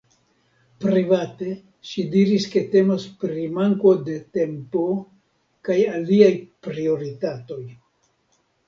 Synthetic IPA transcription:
pɾivate̞ | ʃidiɾiske̞te̞maspɾimaŋko̞de̞te̞mpo | kajaliajpɾio̞ɾitato̞j

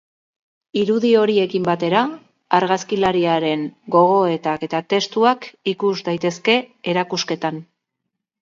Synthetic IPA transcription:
iɾuðio̞ɾie̞kimbat̪e̞ɾaː | ɾɣaskilaɾiaɾe̞ŋɡo̞ɣ̞o̞e̞t̪ake̞t̪at̪e̞st̪uakikuzd̪ajt̪e̞ske̞eɾakuske̞t̪an

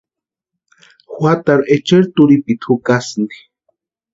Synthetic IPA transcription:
xwat̪aɾet͡ʃeɾt̪uɾipit̪ʰukasnɡi̥

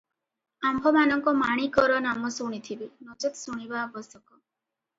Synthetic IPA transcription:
ambʱɔmanɔŋkɔmaɽ̃ikɔɾɔnamɔsuɽ̃it̪ʰibinot͡ʃɔt̪suɽ̃ibabɔsɔkɔ

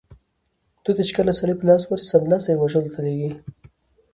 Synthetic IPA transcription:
d̪̥ut̪at͡ʃkəlasaɽiplɑswaɾsamlɑseɾwaʒəlot̪ʰaleɡi

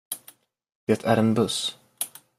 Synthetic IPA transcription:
d̪̥eːt̪ʰæɾɛnbɵs

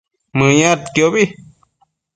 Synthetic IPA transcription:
mɨ̃jãt̪kjobi

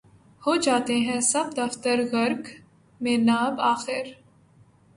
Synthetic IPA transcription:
hod͡ʒaːt̪eɦɛ̃sɐb̚d̪ɐft̪əɾɣɐɾk | mẽːnaːbaːxɪɾ

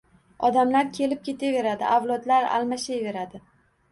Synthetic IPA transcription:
ɒd̪amlaɾkʲʰe̞lɪp̚kʲe̞t̪ʰave̞ɾad̪ɪ̰ʔawlˠɒd̪laɾa̰lmaʃajve̞ɾad̪ɪ

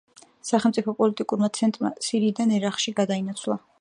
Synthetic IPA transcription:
saχɛlˠmt̪sʼipʰɔpʼɔlit̪ʼikʼuɾmat̪sʰɛnt̪ʼɾma̰siɾiːd̪anɛɾaχʃiɡad̪ainat̪sʰlˠa

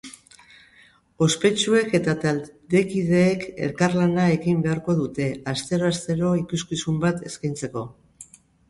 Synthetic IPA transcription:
o̞spe̞t͡ʃue̞ke̞t̪at̪ald̪e̞kið̞e̞ːke̞̰ɾkarlanae̞ɣimbe̞aɾko̞ðut̪e̞ast̪e̞ɾo̞ast̪e̞ɾo̞ikuskisumbat̪e̞skajnt͡se̞ko̞

